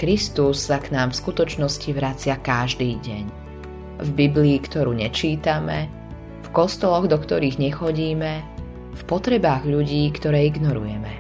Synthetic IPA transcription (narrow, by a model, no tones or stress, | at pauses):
kɾist̪usːaknaːmfskut̪ɔt͡ʃnɔsciʋɾat͡sɪakaʒd̪iːɟɛɲ | vbibliːkt̪ɔɾuːɲɛt͡ʃiːt̪amɛ | fkɔst̪ɔlɔɣd̪ɔkt̪ɔɾiːɣɲɛxɔɟiːmɛ | fpɔt̪ɾɛbaːɣʎuɟiːkt̪ɔɾɛːiɡnɔɾṵjɛmɛ